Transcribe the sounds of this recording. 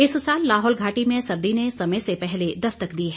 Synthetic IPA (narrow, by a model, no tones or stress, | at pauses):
ɪssaːlːaːɦɔːlɡʱaːʈimẽsɐɾd̪inesɐməjsepɛɦled̪ɐst̪əkd̪iːɦɛ